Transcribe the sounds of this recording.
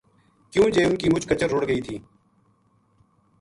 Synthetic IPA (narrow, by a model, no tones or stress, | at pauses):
kjũːd͡ʒeːʊnkiːmʊd͡ʒʱkət͡ʃəɾːʊɽɡəiːt̪ʰiː